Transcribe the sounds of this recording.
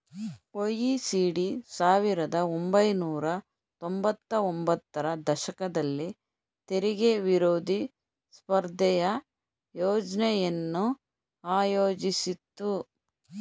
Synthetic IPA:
ojisiːɽisaːʋiɾɐd̪ɐombɐjnuːɾɐ | t̪o̞mbɐt̪ːɐombɐt̪ːɐɾɐd̪ɐʃɐkɐd̪ɐlːi | t̪eɾiɡeʋiɾoːd̪ʱi | spɐɾd̪ʱɛjɐ | joːd͡ʒnɛjɐnːu | aːjoːd͡ʒisit̪ːu

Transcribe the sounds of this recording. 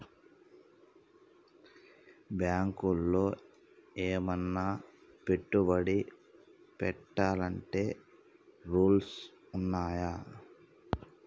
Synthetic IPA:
bjaːŋkulːo̞ː | eːmɐnːape̞ʈːubɐɽi | pɛʈːaːlɐɳʈe̞ː | ɾuːls | unːaːja

